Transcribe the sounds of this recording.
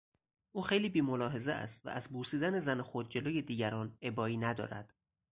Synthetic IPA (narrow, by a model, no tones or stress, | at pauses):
ʔuːxe̞jliːbiːmolɒːɦe̞zeæ̰st̪væ̰ʔæzbuːsiːd̪æne̞zænexo̞d̪̚d͡ʒe̞loːje̞d̪iːɟæɾɒːne̞bɒːiːnæd̪ɒ̰ːɾæ̰d̪̥